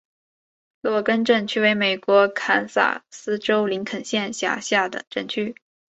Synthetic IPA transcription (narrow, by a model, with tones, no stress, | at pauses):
lkə˥nʈ͡ʂə˥˩nt͡ɕʰy˥we˧˥ɪme˨˩ɪkwɔ˧˥kʰa˧˥nsa̰˥˩sɹ̩˥ʈ͡ʂo˥ʊli˧˥ŋkʰə˨˩nɕjɛ˥˩nɕja̰˥˩ɕja˥˩d̪ə̰˩ʈ͡ʂə˥˩nt͡ɕʰy˥